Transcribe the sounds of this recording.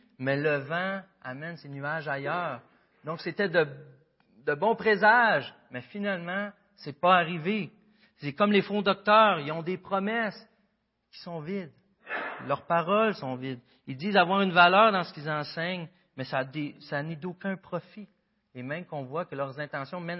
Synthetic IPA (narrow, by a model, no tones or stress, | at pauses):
mɛləvã | a̰mɛnsenyaʒajœːʁ | d̪ɔ̃kset̪ɛd̪ə | d̪əbɔ̃pʁezaʒ | mɛfinalmɑ̃ | sɛpʌaʁive | sekɔmlefɔ̃d̪ɔk̚t̪œːʁilɔ̃d̪epχɔmɛs | kʲi̥sɔ̃vɪd̪ | lœʁpaʁɔlsɔ̃vɪd̪ | ild͡ziːzavwaːʁynvalœːʁd̪ɑ̃sə̥kilzɑ̃sɛɲ | mɛsad̪esanid̪okʲɛ̃pχɔfi | emɛ̃mkɔ̃vwakəlœʁzɛ̃t̪ɑ̃sjɔ̃mɛn